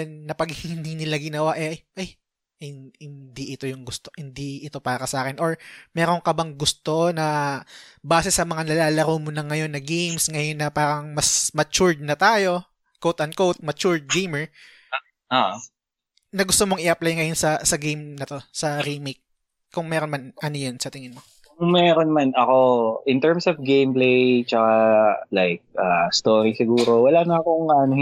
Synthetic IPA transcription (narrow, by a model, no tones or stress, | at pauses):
nːɐpɐɡhɪɪnd̪iːnɪlaɡɪnɐwaʔɛʔjʔɐj | hɪhɪnd̪iʔɪt̪o̞jʊŋɡʊst̪ohɪnd̪iʔɪt̪o̞paːɾɐsɐʔaːkɪnʔoɹmɛːɾo̞ŋkɐbɐŋɡʊst̪o̞nɐ | baːsɛsɐmɐŋanɐlaːlɐɾoːmonɐŋːɐjo̞nːɐɡejmsŋɐjo̞nːɐpaːɾɐŋmɐsmɐt͡ʃuɹd̪̚nɐt̪aːjo̞ | kowt̪ʔɐn̚kowt̪̚mɐt͡ʃuɹd̪̚ɡejmɛɹ | ʔaʔ | nɐɡʊst̪omoŋɪʔɐplajŋɐjo̞nsɐsɐɡejmnɐt̪o̞sɐɾimejk̚ | kːʊŋmɛːɾo̞nmɐnʔɐnojonsɐt̪ɪŋɪnmo | kʊŋmɛːɾonmanʔɐko̞ʔɪnt̪ɛɹmsofɡejmplejt͡ʃɐkalajk̚ʔast̪oːɾisɪɡuːɾo̞wɐlaːnɐːkoŋɐno